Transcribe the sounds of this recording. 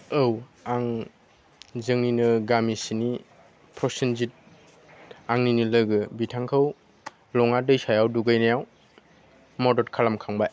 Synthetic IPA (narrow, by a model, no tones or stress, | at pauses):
ɯwaŋ | zɯŋninɯɡamisini | pʰɾɔsenzit̚ | aŋninilɯɡɯbitʰaŋkʰɯw | lɔŋadɯjsajawduɡajnajaw | mɔdɔɾkʰalamkʰaŋbaj